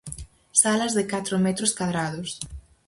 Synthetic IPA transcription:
salɐzðɪkat̪ɾomɛt̪ɾʊskwaðɾaðʊs

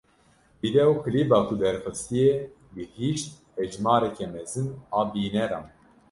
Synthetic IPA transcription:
bid̪ɛukʰɨliːbɑːkʰud̪ɛɾxɨst̪ije | bɨhiːʃt̪̚hɛd͡ʒmɑːɾɛkʰɛmɛzɨnɑːbiːnɛɾɑ̰ːn

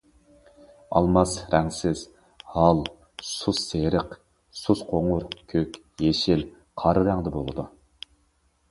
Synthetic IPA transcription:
ɑ̰lˠmɑsɾɛŋsɪz̥ | hɑlˠ | susːeɾɪq | susqʰoŋʊɾkʲʰøkʲ | jeʃɪl | qʰɑɾɨɾæŋd̪ɪbolˠɨd̪u

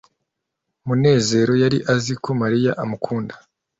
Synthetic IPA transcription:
mune̞ːze̞ːɾo̞jaɾiʔazikomaɾijaʔamukʰuːndḁ

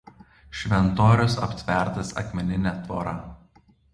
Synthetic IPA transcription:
ʃʲʋʲɛnt̪oːɾʲʊs̬ɐ̰pʲsʲʋʲɛˑɾt̪ɐsɐ̰kmʲɛnʲɪnʲɛt̪ʋo̰ːɾɐ

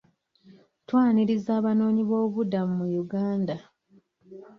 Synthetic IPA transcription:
twaːniɾizaːβano̞ːɲiβo̞ːβudamumujuɡaːnda

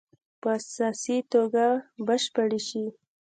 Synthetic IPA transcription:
pəasɑsit̪oɡabəʃpəɽeʃi

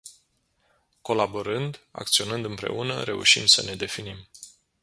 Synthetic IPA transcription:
ko̞laboɾɨnd̪a̰k̚t̪sio̞nɨnd̪ɨmpɾe̞̰ʔunə̰ɾe̞ṵʃḭnd̪səne̞d̪e̞finim

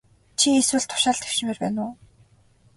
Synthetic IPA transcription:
t͡ɕʰieswɘ̆ɮt̪ʰʊ̥ʃaːɮt̪ʰe̥w̥ʃɪ̆meːrpæ̰ːnʊː

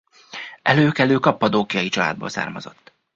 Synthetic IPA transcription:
ʔɛløːkɛløːkɒpːɒd̪oːkijɒjit͡ʃɒla̰ːd̪̚bo̰ːlsa̰ːrmɒ̰zo̞t̪ː

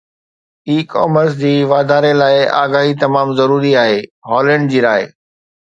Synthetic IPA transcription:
iːkɔ̰ːməɾs̬d͡ʑiːʋaːd̪ʱaːɾelaːɪa̰ːɡaːɦit̪ɐmaːmzɐɾuːɾiaːɦeːɦɔːlɛ̃ːɳɖd͡ʑiːɾaːeː

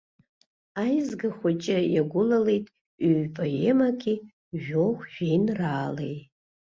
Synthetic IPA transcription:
ajzɡaχʷat͡ʃʼajaɡʷʊlalejtʼ | yɥpʼajemakʲʼi | ʒoχʷʒᶣejnraːlḛj

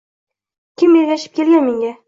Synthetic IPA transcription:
kʲʰɪmjeɡʲaʃɪp̚kʲelɡʲanmeŋɡʲa

